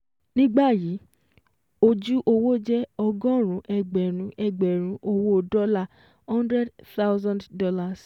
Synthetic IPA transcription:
nĩ˦ɡ͡ba˦˨ji˨˦ | o˧d͡ʒu˦ʔo˧wo˦d͡ʒɛ˦ɔ˧ɡɔ̃˦˨ɾ̃ũ˨˦ʔɛ˧˨ɡ͡bɛ˨ɾ̃ũ˨˦ʔɛ˧˨ɡ͡bɛ˨ɾ̃ũ˨˦ʔo˧wo˦o˨dɔ˦la˦˨ | hɔ̃˦ndɾɛ˦dt̪a˦wzã˦nddɔ˧la˧˨s

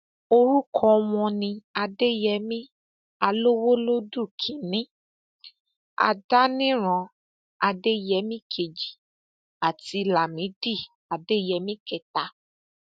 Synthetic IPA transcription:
o˧ɾu˦kʰɔ̃˦˧w̃ɔ̃˧nĩ˧a˧de˦jɛ˨˦mĩ˦ | a˧lo˦wo˦lo˦du˦˨kʰĩ˨nĩ˨˦ | a̰˧da˦nĩ˦ɾ̃ɔ̃˧ | a˧de˦˨jɛ˨˦mĩ˦kʰe˨d͡ʒi˨ | a˨ti˧la˨mĩ˨˦di˦˨ | a˨de˦˨jɛ˨˦mĩ˦kɛ˦˨ta˨˦

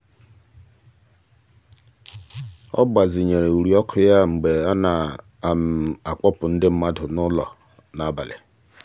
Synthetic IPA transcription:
ɔ̰˦ɡ͡ba˨zɪ˨ɲe˨ɾe˨u˨ɾi˨ɔ˦kʰʊ˦ja˦ŋ͡m̩˨ɡ͡be˨a˦na˨ | m˨a˨k͡pɔ˦pʊ˨n̩˦dɪ˦m̩˦ma˦dʊ˨nʊ˦lɔ̰˨ | na˨˦˨ba˨lḛ˨

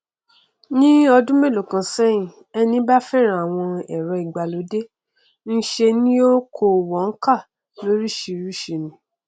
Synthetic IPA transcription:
nĩ˦ɔ˧dũ˦me˦˨lo˨kã˨sɛ˦jĩ˨ | ɛ˧nĩ˦ba˦fɛ˦˨ɾ̃ã˨w̃ɔ̃˧ɛ˨ɾɔ˧i˨ɡ͡ba˨lo˨˦de˦ | n̩˦ʃe˧nĩ˦o˦kʰo˨wɔ˨˦ŋ̩˦ka˦˨ | lo˨˦ɾi˦ʃi˧ɾu˦ʃi˧˨nĩ˨

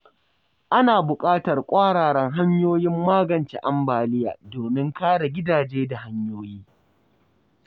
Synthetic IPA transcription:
ʔa˦naː˨bʊ˨kʼaː˦tɐ˨rkʷʼaː˦ɽaː˨ɽɐ˦ŋɦa˦ɲjoː˦jɪ˦mːaː˦ɡɐ˨nt͡ʃḛ˨ʔa˦mbaː˨lɪ˦ja̰ː˨doː˨mɪ˦ŋkaː˦ɽa˨ɡʲɪ˦daː˨d͡ʒeː˦da˨ɦa˦ɲjoː˦jiː˦

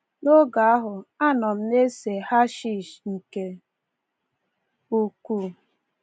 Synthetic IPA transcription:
no˦ɡa˨a˦ɦʊ˨a˦nɔ˨m̩˦ne˦se˨ha˦ʃi˦˨ʃŋ̩˨ke˨ | u˦ku˦˨

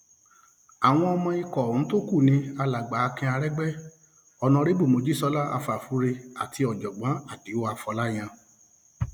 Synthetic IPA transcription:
a˨w̃ɔ̃˧ɔ˧mɔ̃˧i˧kɔ˨ñ̩˨˦to˦ku˦˨nĩ˧˦a˧la˨ɡ͡ba˨˧kĩ˧˦a˧ɾɛ˦ɡ͡bɛ˦ | ɔ˨nã˧ɾe˦bu˦˨mo˧d͡ʒi˦sɔ˨˦la˦a̰˧fa˨fu˨˦ɾe˧a˨tʰi˧ɔ˨d͡ʒɔ˨ɡ͡bã˨˦a˦˨ti˨˦o˦a˧fɔ˧la˦j̃ã˧

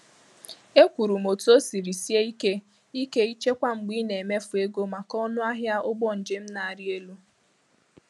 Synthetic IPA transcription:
e˦kʷu˨ɾu˨m̩o˨tu˦o˦si˨ɾi˨si˦e˦i˦ke˦ | i˦ke˦i˦t͡ʃe˦kʷa˦ŋ͡m̩˨ɡ͡bi˦ne˨me˦fʊ˨e˦ɡo˦ma˨kɔ˦nʊ˦a˦ɦja˦ʊ˦ɡ͡bɔ˦n̩˨d͡ʒɪ˦m̩˦na˨a˨ɾɪ˦e˦lu˦

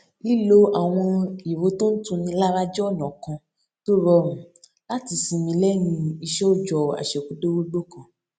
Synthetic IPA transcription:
i˦lo˦a˨w̃ɔ̃˧i˨wo˨˦to˦n̩˦tũ˧nĩ˧la˦ɾa˦d͡ʒɔ˦˨nɔ̃˨kã˧ | to˦ɾɔ˧mũ˨ | la˦ti˨˧sĩ˧mĩ˧lɛ˦nĩ˧i˧ʃɛ˦o˦d͡ʒɔ˨a̰˨ʃɛ˨ku˨˦do˦wo˦ɡ͡bo˦kã˨

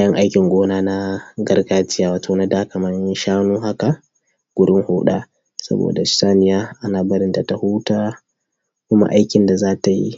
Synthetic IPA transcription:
a˦jɐ˦ŋʔa˦jkʲɪ˨ŋɡʷoː˦naː˦na˦ɡɐ˦rɡaː˦t͡ʃɪ˦jaː˨waː˨tʰoː˨na˦daː˦kɐ˨mɐ˦nʃaː˦nuː˦ɦa˦ka˨ | ɡ̥ʷʊ˨ɽɪ˦ŋhuː˦ɗa̰ː˦ | sɐ̰˦bo̰ː˨da˨ʃsaː˦nɪ˨jaː˦ʔa˦naː˨bɐ˦ɾɪ˦nda˨ta˨hu˦taː˦ | kʷʊ˦ma̰˦ʔa˦jkʲɪ˨nda˨zaː˦ta˨jḭ˦

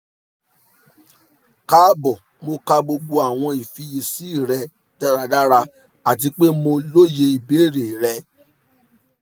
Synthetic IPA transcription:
ka˦bɔ˨ | mo˧ka˧ɡ͡bo˧ɡ͡bo˧a˨w̃ɔ̃˧i˨fi˧je˧˨si˨˦i˦˨ɾɛ˧ | da˦ɾa˧da˦ɾa˧ | a˨t̬i˧k͡pe˦mo˧lo˦je˧i˨be˨˦˨ɾe˨ɾɛ˧

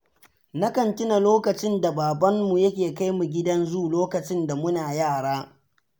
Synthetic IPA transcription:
na˦kɐ˨ntʲɪ˦na˨loː˦kɐ˨t͡ʃɪ˦nda˨baː˨bɐ˦mmu˨jɐ˦kʲeː˨ka˦jmu˨ɡʲɪ˦dɐ˦nzuː˦loː˦kɐ˨t͡ʃɪ˦nda˨mʊ˦naː˨jaː˦˨ɽaː˦

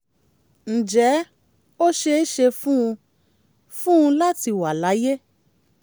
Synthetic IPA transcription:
n̩˨d͡ʒɛ˨˦ | o˦ʃe˧i˦ʃe˧fũ˦ũ˧ | fũ˦ũ˧la˦ti˧wa˨la˨˦je˦

